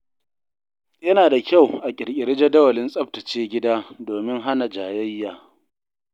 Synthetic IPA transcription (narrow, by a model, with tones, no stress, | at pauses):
jɐ˦naː˨da˨kʲa˦˨wʔa˨kʲʼɪ˨ɽkʲʼɪ˨ɽɪ˦d͡ʒe˦dɐ˦wɐ˨lɪ˦nsʼɐ˦p̚tɐ˨t͡ʃeː˦ɡʲɪ˦daː˦doː˨mɪ˦ŋɦa˦na˨d͡ʒaː˨jɐ˦jːaː˨